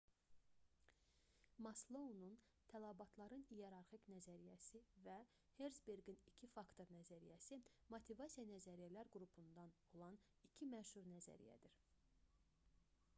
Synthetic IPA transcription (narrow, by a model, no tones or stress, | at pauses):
mɑslˠounun | t̪ʰælˠæbɑt̪ʰlˠɑɾɯnijeɾɑɾχicnæzæɾijæsivæ | heɾzbeɾɡinicʰifɑkt̪ʰo̞ɾnæzæɾijæsimot̪ʰivɑsijɑnæzæɾijælæɾɡɾupʰund̪ɑno̞lˠɑn | icʰimæʃuɾnæzæ̰ɾḭjæ̰d̪iɾ